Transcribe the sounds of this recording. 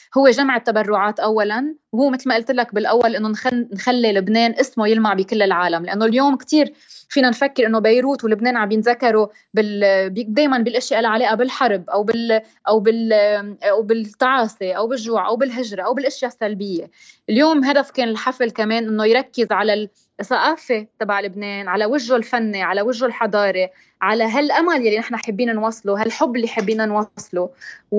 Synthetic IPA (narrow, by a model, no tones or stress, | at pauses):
hʊwːeʒamʕɪt̪ːabarˤːʊʕaːt̪ʔawːalanwhuːmɪt̪lmaʔɪlt̪ɪlak̚bɪlʔawːalʔɪnːonnxalːilɪbneːnʔɪsmojɪlmaʕbikɪlːɪlʕaːlamlaʔanːoljoːmkt̪iːɾfiːnanfakːɪɾʔɪnːobajɾuːt̪wɪlɪbneːnʕambjɪnzakːɑɾo | bɪlbd̪eːjmanbɪlʔɪʃjaʔɪlʕaleːʔabɪlħɑɾˤbʔawbɪl | ʔawbɪl | awbɪt̪ˤːɑʕɑːsiʔawbɪʒːuːʕʔawbɪlɦɪʒɾaʔawbɪlʔɪʃjasːalbɪjːe | ljoːmɦad̪afkeːnɪlħaflkameːnʔɪnːojɾˤɑkːɪzʕalal | sˤɑʔaːfet̪abaʕlɪbneːnʕalawɪʒːolfanːeʕalawɪʒːolħɑd̪ˤɑːɾˤe | ʕalaɦalʔamaljalːinɪħnaħabːiːnnwɑːsˤloɦalħʊbːɪlːiħabːiːnanwɑsˤlo